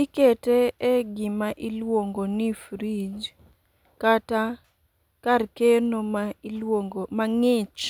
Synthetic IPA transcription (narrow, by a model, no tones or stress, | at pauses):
ikɛteɛɡɪmaʔilwoŋɡonifɾid͡ʒ | kata | karkenomaoŋɡomaŋɪt͡ʃ